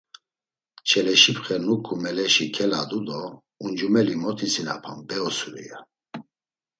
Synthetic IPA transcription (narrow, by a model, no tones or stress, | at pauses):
t͡ʃʰɛlɛʃipχɛnukʰumɛlɛʃikʰɛlad̪ud̪ɔ | und͡ʒumɛlimɔt̪ʰisina̰pʰambɛɔsuɾḭja